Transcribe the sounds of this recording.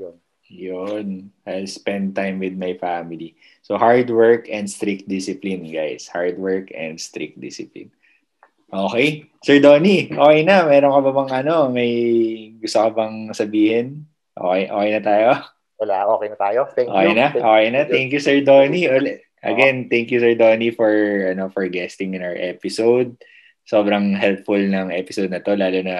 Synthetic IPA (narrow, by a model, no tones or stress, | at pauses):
jn | jʊnʔalspɛnd̪̚t̪ãjmwɪd̪̚mɐjfamɪli | sohaɹd̪wɛɹkɛ̃nd̪st̪ɾik̚t̪̚d̪isɪplinɡa̰jshaɹd̪wɛɹkɛ̰̃nd̪st̪ɾḭk̚t̚d̪ɪ̰sɪplḭn | ʔoːkɛj | sɛɹd̪oːniʔoːkɛjnɐmɛːɾoŋkɐbɐbɐŋɐno̞mɐjɡʊst̪okɐbɐŋsɐbiːhɪn | ʔo̰ːkɛjʔo̰ːkɛjnɐt̪aːjo | ɐlaʔoːkɛjnɐt̪aːjoɛʔoːkɛjnɐʔoːkɛjnɐt̪ɛŋkjusɛɹd̪oniʔol | ʔɐ̰ɡɛnt̪ɛŋkjʊsɛɹd̪oːnifɔɹɐnofɔɹɡɛst̪ɪŋɪ̃nawəɹʔɛpɪsowd̪̚ | so̞ːbɾɐŋɦɛlpfʊlnɐŋʔɛːpɪsowd̪̚nɐt̪o̞laːlonɐ